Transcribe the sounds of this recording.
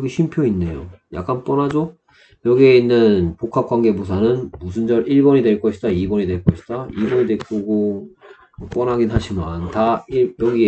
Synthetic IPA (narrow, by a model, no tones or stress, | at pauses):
ɡiɕʰimpʰjoinːe̞jo̰ja̰k͈̚anp͈ʌnɦad͡ʑo | jʌɡie̞inːɯnpokʰap̚k͈waŋɡe̞bos̬ʰanɯnmusʰund͡ʑʌɾiɭbʌɲidwe̞ɭk͈ʌɕʰi̥t͈aibʌɲidwe̞ɭk͈ʌɕʰi̥t͈aibʌɲidek͈oɡo | p͈ʌnɦaɡinɦaɕʰimantaiɭjʌɡie